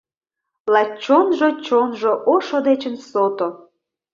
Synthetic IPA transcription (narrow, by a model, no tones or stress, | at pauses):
lɑt͡ɕːonʒot͡ɕonʒoʔoʃod̪et͡ɕə̆nsot̪o